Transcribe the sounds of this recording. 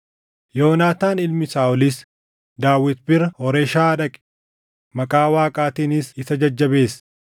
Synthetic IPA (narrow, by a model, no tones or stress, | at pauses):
jo̞ːnaːt̪aːnɪlmɪsaːɔlɪs | d̪aːwːɪt̪bɪɾɐhɔɾeːʃaːɐᶑɐkʼɛ̥ | mɐkʼaːwaːkʼaːt̪iːnɪsɪsɐd͡ʒɐd͡ʒːɐbe̞ːs